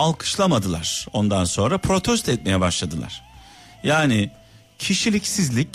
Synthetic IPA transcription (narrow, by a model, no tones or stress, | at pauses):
alˠkʰɯ̥ʃlˠamad̪ɯlˠaɾ̥o̞nd̪anso̞nɾapʰɾo̞t̪ʰɛst̪ɛt̪̚me̞jɛbaʃlˠad̪ɯlˠa̰ɾ̥ | jaːnɪ | cʰiʃilʲicsizlʲic